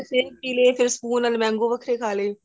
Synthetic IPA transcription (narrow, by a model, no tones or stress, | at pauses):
t͡ʃeːpiːleːpʰɪɾspuːnəlmɛ̃ːŋɡoːʋəkʰɾeːkʰaːleː